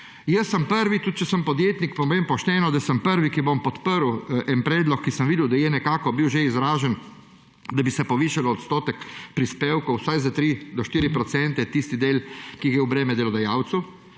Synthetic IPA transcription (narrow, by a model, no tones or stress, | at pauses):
jəsːəmpəɾʋit̪ut̪̚t͡ʃɛsəmpɔd̪jeːt̪nikpɔmeːmpɔʃt̪ɛːnɔd̪asəmpəɾʋikibompɔt̪pəɾwɛnpɾɛːd̪lɔkːisəmʋiːd̪ɛwd̪ajɛnɛkaːkɔbiwʒeizɾaːʒɛn | d̪abisɛpɔʋiːʃalɔɔt̪st̪oːt̪ɛkpɾispeːwkowsajzat̪ɾid̪ɔʃt̪iːɾipɾɔt̪sɛnt̪ɛt̪ist̪id̪eːlkiɡjɛubɾɛːmɛd̪ɛlɔd̪ajaːwt̪su